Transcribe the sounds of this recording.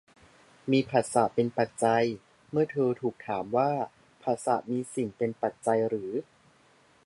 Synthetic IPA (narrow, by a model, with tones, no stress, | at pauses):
miː˧pʰaː˨˩t̪̚sa˨˩˦pe˧npa˨˩t̪̚t͡ɕa˧j | mɯ˥˩ɐt̪ʰɤː˧t̪ʰuː˨˩k̚t̪ʰaː˩˦mwaː˥˩ | pʰaː˨˩t̪̚sa̰˨˩˦miː˧si˨˩ŋpe˧npa˨˩t̪̚t͡ɕa˧jɾɯː˩˦